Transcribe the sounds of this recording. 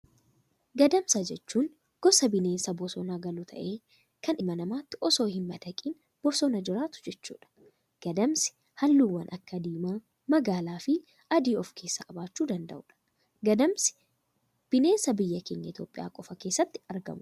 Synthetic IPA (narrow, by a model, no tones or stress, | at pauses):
ɡɐd̪ɐmsɐd͡ʒɛt͡ʃːuːŋ | ɡ̥ɔsɐbɪne̞ːnsɐbɔsɔnaːɡɐluːt̪ʰɐ̰ʔe̞ː | kɐnɪmɐnɐmaːt̪ːɪʔɔso̞ːhɪmːɐd̪̥ɐkʼiːn | b̥ɔsɔnɐd͡ʒɪɾaːt̪ʊ̥d͡ʒɛt͡ʃːṵːᶑɐ̥ | ɡ̥ɐd̪ɐmsɪ̥ | hɐlːuːwːɐnʔɐkːɐd̪iːmaː | mɐɡaːlaːfɪ | ʔɐd̪iːɔfkʰe̞ːsːɐkʼɐbaːt͡ʃːuːd̪ɐnd̪ɐ̰ʔʊᶑɐ̥ | ɡɐd̪ɐmsɪ̥ | b̥ɪne̞ːnsɐbɪjːɐke̞ːɲːɐ̰ɪt̪ʰʲjo̰ːpʼːɪja̰ːkʼɔfɐke̞ːsːɐt̪ːɪ̥ɐɾɡɐ̰mʊ